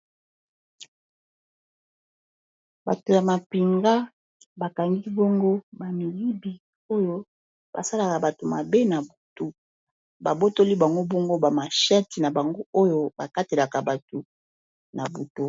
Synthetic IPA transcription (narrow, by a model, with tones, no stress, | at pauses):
ba̰˨to˨ja˨ma˨pi˨ŋɡa˦ | ba˨ka˨ŋɡi˦bɔ˦ŋɡo˦ba˨mi˨ji˦bi˨ | o˦jo˦ | b̥a̰˨sa˦la˨ka˨ba˨to˨ma˨be˦na˨bu˨to˦ | ba˨bo˦to˦li˦ba˨ŋɡo˦bɔ˦ŋɡo˦ba˨ma˨ʃɛ˦ti˨na˨ba˨ŋɡo˦o˦jo˦ba˨ka˦te˨la˨ka˨ba˨to˨ | na˨bu˨to˦